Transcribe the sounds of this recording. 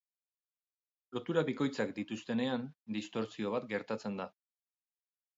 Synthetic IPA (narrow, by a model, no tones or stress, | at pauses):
lo̞t̪uɾaβiko̞jt͡sak̚d̪it̪ust̪e̞ne̞and̪ist̪o̞ɾsio̞β̞at̪ɡe̞ɾt̪at͡se̞nd̪a